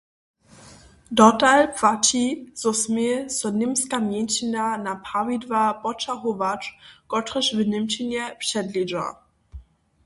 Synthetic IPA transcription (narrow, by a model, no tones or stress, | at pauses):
dɔtalpv̥at͡ɕiz̥ɔsmesɔnɪmskamjɛnt͡ɕinanapavidvapɔt͡ʃaɦovat͡ʃkɔtʁəʃvɪnɪmt͡ɕinɛpʂɛdlid͡ʒa̰